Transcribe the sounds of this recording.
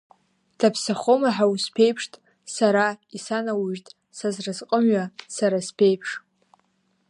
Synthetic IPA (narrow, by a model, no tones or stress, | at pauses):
d̥apʰsaχomaħawuspʰe̞jpʰʂtʼ | saɾaisanawuʒtʼ | sazrɨzqʼəmɥasaɾaspʰejpʰʂ